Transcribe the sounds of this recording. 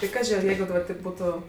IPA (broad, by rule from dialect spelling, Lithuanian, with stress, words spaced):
tɐɪ ˈkɑːʒʲɪ ɐr ˈjɛɪɡʊ dɐˈbɐr tɐɪp ˈbuːtʊ